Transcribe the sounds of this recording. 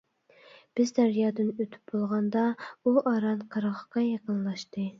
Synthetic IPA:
b̥ɪzd̪æɾjɑːd̪ɨnøt̪ʰy̥p̚bolˠʁɑnd̪ɑuʔɑɾɑnqʰɑɾʁəqɑjɑqənlˠɑʃt̪ɨ

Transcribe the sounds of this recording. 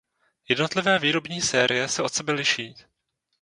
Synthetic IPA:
jɛdno̞t̪lɪvɛːviːɾo̞bɲiːsɛːɾʔɪjɛsɛʔo̞t̪sɛbɛlɪʃiː

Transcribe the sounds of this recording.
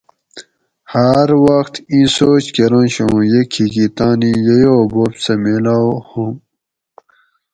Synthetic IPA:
hɐɾwʌxt̪ĩsoːt͡ɕkeɾõnɕõjekʰikit̪aːnijejoboːpsɐmelawhũm

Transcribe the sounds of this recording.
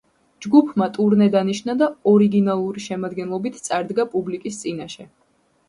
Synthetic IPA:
d͡ʒɡupʰmat̪ʼuɾnɛd̪aniʃnad̪aɔɾiɡinalˠuɾiʃɛmad̪ɡɛnlˠɔbit̪ʰt̪sʼaɾd̪ɡapʼublikʼist̪sʼinaʃɛ

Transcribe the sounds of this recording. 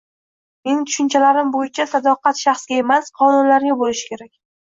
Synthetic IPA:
menɪt̪ʰʊ̥ʃɪnt͡ʃʰalaɾɪmbojɪt͡ʃʰasad̪ɒqɑt̪ʃɑχsɡʲae̞masqʰɒnʊnlaɾɡʲabolɪʃɪ̥kʲʰe̞ɾakʲ

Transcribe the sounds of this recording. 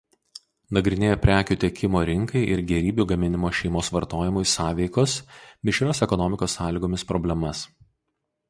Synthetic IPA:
nɐɡɾʲɪnʲeːjɛpʲɾʲæːkʲuːt̪ʲɛkʲɪmoːɾʲɪŋkɐɪʔɪɾɡʲɛɾʲiːbʲuɡɐmʲɪnʲɪmoːʃʲɛɪmoːsʋɐɾt̪oːjɪmʊsɑːʋʲɛɪkoːsmʲɪʃʲɾʲoːsɛkɔnɔmʲɪkoːsːɑːlʲiːɡoːmʲɪspɾɔbʲlʲɛmɐs

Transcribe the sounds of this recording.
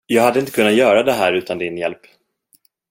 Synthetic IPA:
jɑːɡhad̪ːəɪnt̪ə̥kʰɵnːat̪jœːɾad̪ɛɦæːɾʉ̟ːt̪and̪ɪnjɛlp

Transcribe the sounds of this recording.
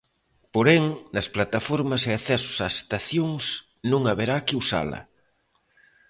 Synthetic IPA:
poɾeŋnɐsplat̪afoɾmɐseaθɛsʊ̥saest̪aθjoŋs | nũŋaβeɾakɪusa̰lɐ̰

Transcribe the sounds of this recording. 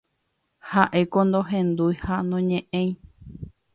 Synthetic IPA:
haʔe̞kõnd̪oɦẽnd̪ujhanõɲẽʔẽj̃

